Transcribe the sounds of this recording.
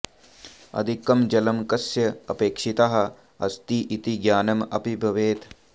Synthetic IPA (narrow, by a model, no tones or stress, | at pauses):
ɐ̰d̪ʱikːɐmd͡ʒɐlɐmkɐsjɐɐpeːkʂit̪aɦɐ̆ | ɐst̪iʔit̪iɡjaːnɐmɐ̰pibʱɐʋeːt̪